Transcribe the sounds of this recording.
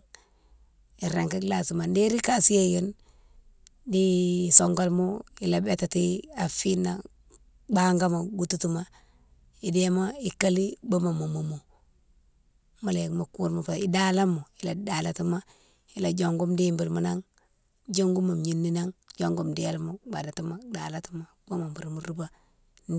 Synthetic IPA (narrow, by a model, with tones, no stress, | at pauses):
i˨ɾe˨ŋki˦kla˨si˨ma˨ndi˦ɾi˦ka˦si˦je˦jo˦n | di˦so˨ŋɡo˦lmo˦i˨la˨be˦ta˨ti˦a˨fi˦nːa˨ | ba˦ŋɡa˦ma˨ɡu˦tu˦tu˦ma˨ | i˨de˦ma˦i˨ka˦li˦bo˦ma˨mo˨mo˨mo˨ | ma˦le˨kmo˨ku˦ɾmu˦˨pa˨i˦da˦la˦mo˨i˨la˨da˨la˦˨ti˦ma˦ | i˦la˨d͡ʒo˨ŋɡu˦mdi˦mbi˨ɾmu˦na˦ŋ | d͡ʒo˦ŋɡu˦ma˨mɲi˦nːi˦na˦ŋd͡ʒo˦ŋɡu˦mdi˦a˦lmu˦ba˨da˨ti˦ma˦da˨la˦ti˦ma˦ba˦ma˨mbu˨ɾmu˨ɾu˦ba˦ | n˦